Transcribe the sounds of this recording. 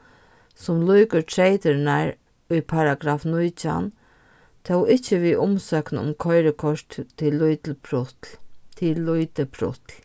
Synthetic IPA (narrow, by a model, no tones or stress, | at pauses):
sʊmlujkəɹtʰɾeɪt̪əɾnaɹ | ʊjpʰaɾaɡɾaːfnʊjt͡ʃa̰n | t̪ʰowɪt͡ʃːəʋiːʔʊmsœːknʊ̰mkʰɔɪɾəkʰɔʂt̪t̪ʰːɪlːʊjt̪lpʰɾʊtt̪ʰɪlːʊjt̪əpʰɾʊ̰t̪l